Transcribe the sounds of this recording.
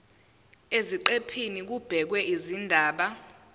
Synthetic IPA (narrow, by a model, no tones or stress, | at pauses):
eziǃepʰinik̬ub̥ʱɛk̬wɛʔizindʱaːɓa